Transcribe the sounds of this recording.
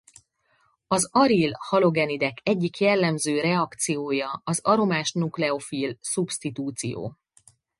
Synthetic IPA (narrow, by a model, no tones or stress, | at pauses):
ɒzɒɾilhɒlo̞ɡɛnid̪ɛkɛɟːikjɛlːɛmzøːɾɛɒkt̪sijoːjɒɒzɒɾo̞maːʃnuklɛo̞fiːlsupst̪it̪uːt̪sḭjo̰ː